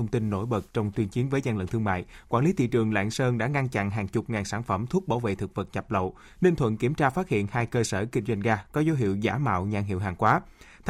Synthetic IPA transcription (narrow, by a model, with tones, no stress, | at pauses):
wŋ͡mt̪i˧nːo̰˧˩jɓə˨˩t̚t͡ɕɔ˧wŋ͡mt̪wi˧ənt͡ɕi˨˦ənvəː˨˦jza˧nlə̰˧˨nt̪ʰɨ˧əŋma̰ː˧˨jkwaː˧˩nli˨˦t̪ʰḭ˧˨t͡ɕɨ˨˩əŋla̰ː˧˨ŋsəː˧nɗa̰ː˧˥ŋa˧nt͡ɕa̰˧˨ŋɦaː˨˩ŋt͡ɕʊ˨˩k͡p̚ŋaː˨˩nsaː˧˩nfə˧˩mt̪ʰu˦˥k͡p̚ɓaː˧˩wvḛ˧˨t̪ʰɨ˨˩k̚və˨˩t̚ɲa˨˩p̚lə̰˧˨w | nï˧ŋt̪ʰwə̰˧˨nki˧˩əmt͡ɕaː˧faː˦˥t̚hḭ˧˨ənhaː˧jkəː˧səː˧˩kï˧ŋ̟zwa˧jŋ̟ɣaː˧kɔ˨˦zo˨˦ɦḭ˧˨əwza̰ː˧˩ma̰ː˧˨wɲaː˧˩ŋɦḭ˧˨əwɦaː˨˩ŋkwaː˨˦ | t̪ʰ